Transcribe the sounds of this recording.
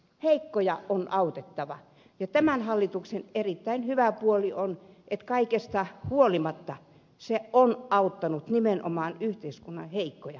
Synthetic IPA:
heikːojɑonʔɑut̪et̪ːɑʋɑ̰ | jɑt̪æmænhɑlːit̪uksenerit̪ːæinhyʋæpuoliʔonʔet̪kɑikest̪ɑhuolimɑt̪ːɑ | seonɑut̪ːɑnut̪nimenʔo̰mɑːnyht̪eiskunːɑ̰heikːojɑ

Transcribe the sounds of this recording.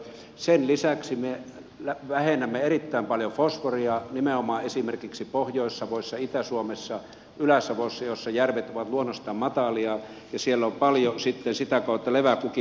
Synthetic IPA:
senlisæksime | læʋæhenæmːeerit̪ːæˑimpɑljofosforiɑnimeomɑːesimerkiksipohjoˑesːɑʋoˑisːɑit̪æsuomesːɑ | ylæsːɑʋoˑisːɑjosːɑjærʋet̪oʋɑt̪luonːost̪ɑːmmɑt̪ɑliɑ | jɑsielːompɑljosit̪ːensit̪ækɑˑot̪ːɑleʋækuki

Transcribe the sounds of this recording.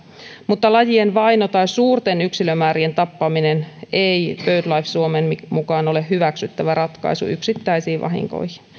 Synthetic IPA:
mut̪ːɑlɑjienʋɑjnot̪ɑjsuːrt̪enyksilømæːɾient̪ɑpːɑminenejpøyt̪lɑifsuomenmukɑːno̞le̞hɦyʋæksyt̪ːæʋærɑt̪kɑ̰jsṵʔyksit̪ːæisiːʋɑ̰ɦḭŋko̞̰jhin

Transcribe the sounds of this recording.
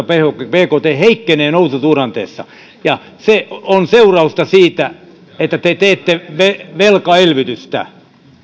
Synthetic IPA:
ɑpehokpeːkoːt̪eːheikːeneːnoususuːrɑnt̪ḛːsːɑ̰ | jɑ | seʔonseurɑust̪ɑsiːt̪æ | et̪ːæt̪et̪eːt̪ːeʋeʋelkɑelʋit̪yst̪æ̰

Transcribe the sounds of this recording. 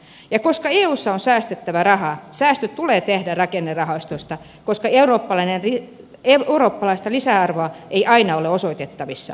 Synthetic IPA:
jɑkoskɑeːuːsːɑonsæːst̪et̪ːæʋærɑhɑsæːst̪øtt̪uleːt̪ehdærɑkenːerrɑhɑist̪ost̪ɑ | koskɑeuroːpːɑlɑinenri | euroːpːɑlɑist̪ɑlisæɑrʋoɑʔeiʔɑinɑoleosoit̪et̪ːɑʋisːɑ̰

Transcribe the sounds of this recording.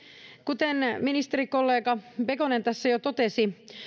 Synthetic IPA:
kut̪enminist̪eɾikolːeːkɑpekonent̪æsːæjot̪ot̪esi

